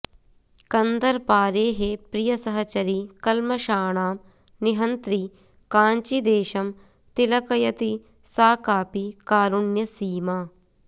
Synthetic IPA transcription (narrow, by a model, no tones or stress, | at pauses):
kɐnd̪ɐɾpaːɾeːɦepɾijɐsɐɦɐt͡ʃɐɾikɐlmɐʃaːɳ̃aːm | niɦɐnt̪ɾi | kãːnt͡ʃid̪eːʃɐm | t̪ilɐkɐjɐt̪i | saːkaːpikaːɾuɳjɐsiːmaː